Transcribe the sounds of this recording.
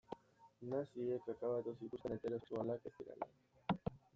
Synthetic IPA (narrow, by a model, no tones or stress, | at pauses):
nasiekakaβat̪osikusanet̪eɾesualakest̪iɾa̰la̰